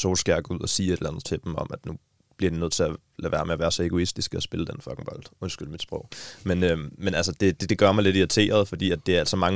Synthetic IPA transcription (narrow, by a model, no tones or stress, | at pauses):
sʰo̝sɡ̥æɐ̰ɡ̥uð̞̰ˠɒsiːe̝d̥lænð̩ˠt͡sʰe̝ld̥emɒ̽mæd̥nu | b̥liɐd̥inøð̰ˠt͡sʰe̝æ | læʋæːɐmeɒʋæːɐsɒ̽e̝ɡ̥o̝isd̥isɡ̥əɒsb̥e̝ləd̥enfɒ̽ɡ̥ŋ̩b̥ɒ̽l̰d̥o̽nsɡ̥yl̰mid̥sb̥ʁɔʊmenømenælsəd̥e̝d̥d̥e̝ɡ̥ɶɐmɑ̈ɪle̝diʁit͡sʰe̝̰ːɐð̞ˠfɒ̽d̥ḭːæd̥ːe̝æɐæl̰sɒmɑ̈ŋ